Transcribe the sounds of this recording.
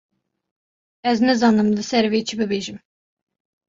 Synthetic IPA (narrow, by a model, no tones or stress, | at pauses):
ɛznɛzɑːnɨmlɨsɛɾvet͡ʃʰibɨbeːʒɨm